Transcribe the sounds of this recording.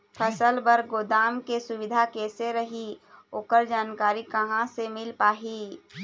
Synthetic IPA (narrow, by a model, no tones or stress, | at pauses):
pʰəsəlbəɾɡoːd̪aːmkesʊwɪd̪ʱakeːseɾɐɦioːkəɾd͡ʒaːnkaːɾikɐɦãsemɪlpaːɦiː